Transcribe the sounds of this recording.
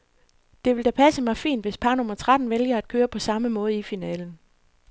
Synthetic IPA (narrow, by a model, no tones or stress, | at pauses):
d̥e̝ʋe̝ld̥æpʰæsəmɑ̈ɪfḭːnd̥ʋe̝spʰɑ̈ːnɔ̽mɐt͡sʰʁɑd̥n̩ʋeljɐæd̥̚kʰøːɐpʰɒ̽sɑ̈məmɔ̽ːð̞̩ˠifinɛ̰ːln̩